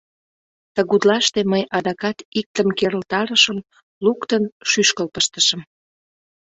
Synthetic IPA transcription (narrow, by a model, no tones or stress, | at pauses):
t̪əɣud̪lɑʃt̪eməjʔɑd̪ɑkɑt̪ik̚t̪əmkeɾəlt̪ɑɾəʃəm | lukt̪ənʃyʃkəlpəʃt̪əʃəm